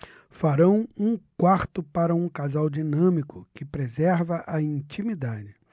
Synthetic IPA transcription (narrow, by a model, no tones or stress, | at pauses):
faɾɐ̃w̃ũkwaɾt̪ʊpaɾɐũkazawd͡ʒinɐ̃mikʊkɪpɾezɛɾvɐʔɐĩt͡ʃimid̪ad͡ʒɪ